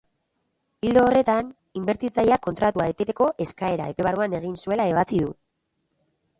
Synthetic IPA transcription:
ild̪oːre̞t̪an | imbe̞ɾt̪it͡sajako̞nt̪ɾat̪uaet̪et̪e̞ko̞ʔe̞skae̞ɾa̰e̞pe̞βaruane̞ɣ̞insue̞laeβ̞at͡siðu

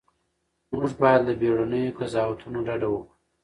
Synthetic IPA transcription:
muʐbɑjad̪ləbeɽanəjokazɑwat̪ʰunoɖaɖawəkɽu̥

